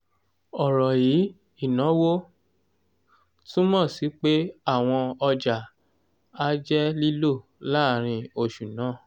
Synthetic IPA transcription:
ɔ˨ɾɔ˨ji˨˦ | i˦˨nã˨˦wo˦ | tũ˦mɔ̃˦˨si˨˦k͡pe˦a˦˨w̃ɔ̃˧ɔ˧d͡ʒa˨ | a˦d͡ʒɛ˦li˦lo˦˨laː˦˨ɾ̃ĩ˧o˧˨ʃu˨nãː˨˦˨

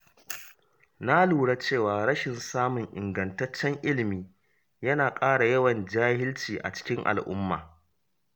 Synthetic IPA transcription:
na˦luː˨ɽa˦t͡ʃeː˦˨waː˨ɽɐ˦ʃɪ˨nsaː˦mʊ˨ŋʔɪ˨ŋɡɐ˨ntɐ˦t͡ʃːɛ˦ŋʔɪ˦lɪ˨miː˦ | jɐ˦naː˨kʼaː˦ɽa˨jɐ˦wɐ˨nd͡ʒaː˦hɪ˦lt͡ʃiː˨ʔa̰˨t͡ʃɪ̥˦kʲɪ˦ŋʔa̰˨lʔʊ̰˦mːa̰ː˨

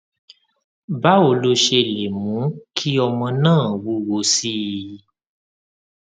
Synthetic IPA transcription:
ba˦o˨lo˧ʃe˧le˨mũ˨˦kʰi˦ɔ˧mɔ̃˧nãː˦˨wu˦˧wo˧˦si˦

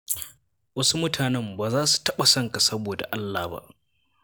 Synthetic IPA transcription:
wɐ˦su˦mʊ˦tʰaː˨nɛ˦mbaː˨zaː˦su̥˨tɐ˦ɓa˨sɐ˦ŋka˨sɐ˦boː˨da̰˨ʔa˦lːaː˨ba̰˦ʔ

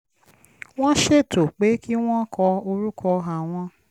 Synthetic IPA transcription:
w̃ɔ̃˦ʃe˦˨to˨k͡pe˨˦ki˦w̃ɔ̃˦kʰɔ˧o˧ɾu˦kʰɔ˧ɦa˨w̃ɔ̃˧

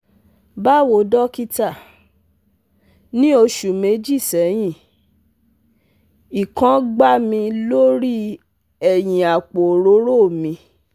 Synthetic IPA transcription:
ba˦wo˨dɔ˦ki˦ta˦˨ | nĩ˦o˧ʃu˨me˨˦d͡ʒi˦˨sɛ˨˦j̃ĩ˦˨ | i˨kã˨˦ɡ͡ba˦mĩ˧lo˦ɾi˦ | ɛ˨j̃ĩ˨a˨k͡po˨ɾo˨˦ɾo˦˨mĩ˧

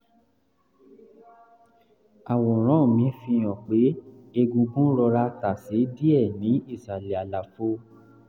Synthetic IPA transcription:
a˨wɔ̃˨ɾ̃ɔ̃ː˦˨mĩ˨˧˦fĩ˧j̃ɔ̃˨k͡pe˨˦e˧ɡũ˧ɡũ˦ɾɔ˧ɾa˧ta˨se˨˦di˦ɛ˦˨nĩ˨˦i˦˨sɾa˨li˨a˨la˨fo˧˦

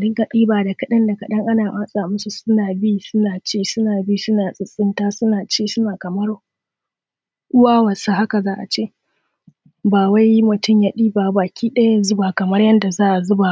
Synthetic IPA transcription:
dɪ˦ŋka˨ɗiː˦baː˨da˨kɐ˦ɗɐ˦nda˨kɐ˨ɗɐ˦ŋʔa˦naː˨ʔaː˦sʼaː˨mʊ˦su˨sʊ˦naː˨biː˦sʊ˦naː˨t͡ʃeː˦˨sʊ˦naː˨biː˦˨sʊ˦naː˨sʼɪ˦sʼɪ˦ntaː˦sʊ˦naː˨t͡ʃeː˦sʊ˦naː˨kɐ˨mɐ˦r | ʔʊ˦waː˦wɐ˨sa˦ɦa˦ka˨zaː˦ʔa̰˨t͡ʃeː˦˨ | baː˨wa˦jmʊ˨tʊ˦˨mja˨ɗiː˦baː˨baː˨kʲʰiː˦ɗɐ˦ja˦ja˨zʊ˦baː˨kɐ˨mɐ˦rjɐ˦nda˨zaː˦ʔa˨zʊ˦baː˨

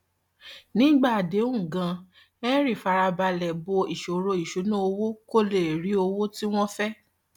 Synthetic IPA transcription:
nĩ˦ɡ͡ba˦˨de˨˦ũ˦˨ɡã˧ | ɛ̃˦ɾi˦˨fa˧ɾa˧ba˧lɛ˨bo˧i˨ʃo˨ɾo˧i˨ʃo˨˦nũ˦o˧wo˦ko˦˨le˨ɾi˨˦o˧wo˦ti˦w̃ɔ̃˦fɛ˦

